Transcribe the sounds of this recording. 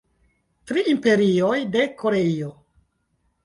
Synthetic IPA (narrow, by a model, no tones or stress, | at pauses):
tɾiimpe̞ɾio̞jde̞kʰo̞ɾe̞io